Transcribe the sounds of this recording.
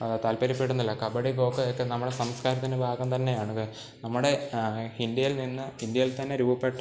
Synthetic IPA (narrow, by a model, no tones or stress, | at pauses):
ɐt̪ɐːlpɐɾipːiʈunːilːɐkɐbɐɽiɡo̞ːkːɐokːenɐmːuɽesɐmskaːɾɐt̪ːinɨbʱaːɡɐmt̪ɐnːe̞jaːɳukɐ | nɐmːuɽe̞ind̪jɐjilninːɨind̪jɐjilt̪ɐnːeɾuːbɐpːeʈː